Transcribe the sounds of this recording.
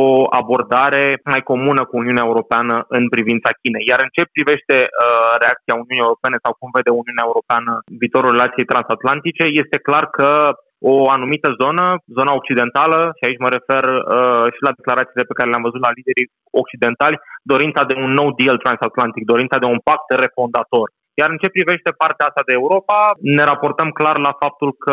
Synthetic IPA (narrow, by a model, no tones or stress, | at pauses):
oa̰bo̞rd̪aɾe̞majko̞munəkuːniuneaeuɾo̞peanəʔɨnpɾivint̪sakʲine̞jaɾɨnt͡ʃe̞pɾive̞ʃt̪e̞əɾe̞ak̚t̪siauniunijeuɾo̞pe̞ne̞sawkumve̞d̪euniuuneaeuɾo̞peanəviːt̪o̞ɾulre̞lat̪sije̞jt̪ɾansat̪lant̪it͡ʃe̞je̞st̪e̞klarkə | oanumit̪əzo̞nəzo̞nao̞k̚t͡ʃid̪e̞nt̪aləʃiait͡ʃʲməɾe̞fe̞rəʃilad̪e̞klaɾat̪siːle̞pe̞kaɾeleamvəzut̪lalid̪e̞ɾi | ok̚t͡ʃid̪e̞nt̪alʲd̪o̞ɾint̪sad̪e̞unːo̞wd̪ilt̪ɾansat̪lant̪ik̚d̪o̞ɾint̪ad̪eunpak̚t̪re̞fo̞nd̪at̪o̞r | jaɾɨnt͡ʃe̞pɾive̞ʃt̪e̞part̪eaast̪ad̪e̞ːuɾo̞pane̞ɾapo̞rt̪əmklarlafap̚t̪ulkə